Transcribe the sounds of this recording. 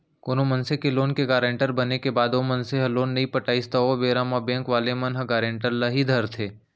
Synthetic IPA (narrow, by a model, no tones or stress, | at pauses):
koːnomɐnsekeloːnkeɡaːɾẽːɳʈəɾbɐnekebaːd̪omɐnseɦɐloːnːɐɦĩpəʈaːist̪aobeːɾaːmabẽːŋkʋaːlemɐnɦəɡaːɾẽːɳʈəɾlɐɦid̪ʱɐɾt̪ʰeː